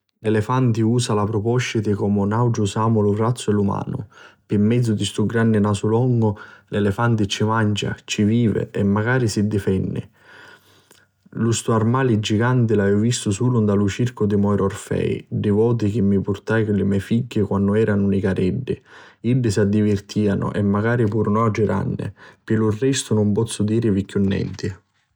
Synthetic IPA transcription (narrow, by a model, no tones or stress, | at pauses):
lɛlɛfant̪iuːsalapɾɔpɔʃit̪ɪkɔmʊnawd͡ʒʊsaːmʊlʊrat̪sːʊɛlːuma̰ːnʊ̰pɪmːɛd̪zːʊd̪ist̪uɡɾanːɪnasulɔŋːʊlɛlɛfant̪ɪt͡ʃːimand͡ʒa̰t͡ʃiviːvɪ̰ʔɛmːaɡaːɾisid̪ːifɛnːɪ̰ | lust̪uarmaːlɪd͡ʒiɡant̪ɪlavɛvvist̪ʊsuːlʊnd̪alut͡ʃirkʊd̪ɪmɔjɾɔrfɛ̰jɖɪvɔːt̪̬ɪkɪmːipʊrt̪ajkʊlɪmɛfiɟːɪkwanːʊɛːɾʔanʊnikaɾɛɖːɪiɖːɪsad̪ːivɪrt̪ʰiːanʊ̰ʔɛmːaɡaːɾipuːɾnad͡ʒɪɾa̰nːɪ̰pɪlurːɛst̪ʊnʊmpɔt̪sːʊd̪iːɾɪvikːunːɛ̰nt̪ɪ